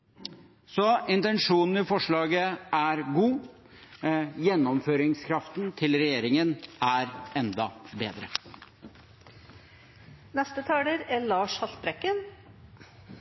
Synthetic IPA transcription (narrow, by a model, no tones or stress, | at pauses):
sɔɪnt̪ɛnʂuːnn̩ɪfɔʂɭɑːɡəæɾɡuː | jɛnːɔmføːɾɪŋskʰɾɑft̪n̩t̪ʰɪlɾɛjeːɾɪŋənæɾɛnd̪ɑbeːd̪ɾə | nɛst̪ət̪ʰɑːləɾæɭɑːʂhɑsbɾɛkːən